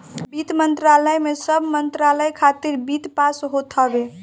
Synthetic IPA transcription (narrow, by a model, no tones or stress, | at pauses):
bit̪mənt̪ɾaləjmesəbʱmənt̪ɾaləjkʰat̪iɾbit̪pasɦot̪ʰəbe